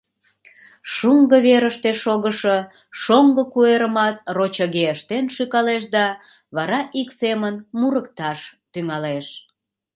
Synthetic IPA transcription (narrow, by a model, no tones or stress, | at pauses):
ʃuŋɡəβeɾəʃt̪eʃoɣəʃə | ʃoŋɡəkueɾəmɑt̪̚rot͡ɕəɣeəʃt̪enʃykɑleʃd̪ɑ | βɑɾɑʔiksemənmuɾəkt̪ɑʃt̪yŋɑleʃ